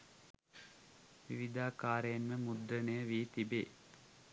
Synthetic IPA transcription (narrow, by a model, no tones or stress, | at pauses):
ʋḭʋid̪aːkaːɾəjenʋəmud̪ɾənəjəʋiːt̪ibḛː